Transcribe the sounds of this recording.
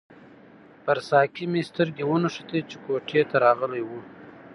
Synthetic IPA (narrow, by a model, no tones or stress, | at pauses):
pəɾsɑkimest̪əɾɡewunəʂət̪et͡ʃekoʈʰet̪aɾɑɣəlajwu